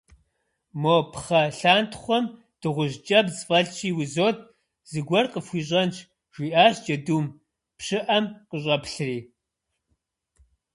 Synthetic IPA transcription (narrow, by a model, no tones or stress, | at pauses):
moːpχɐɬaːntʰχʷɔm | d̥ɨʁʷʊʒt͡ʃʼɐbzfʼɐɮt͡ʃʰiːwizoːt̚ʰ | z̥ɨɡʷɔrqəfʷiːɕ̬ʼɐnt͡ʃʰ | ʒ̥ʷiːʔaːɕd͡ʒʼɐduːm | pɕɨʔɐmqəɕʼɐpɬriː